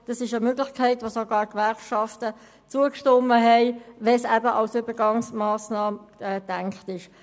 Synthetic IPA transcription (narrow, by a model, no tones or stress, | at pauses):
d̥ɑsɪʃəmøːɡlɪχkʰɛɪtʋosoɡ̥ɑːʁkʋɛʁkʃɑftə | t͡suəkʃtɔməɦɛɪvɛsæbəʔɑwsyb̥əɡɑŋsmɑːsnɑːmɛːd̥æŋkχtɪʃ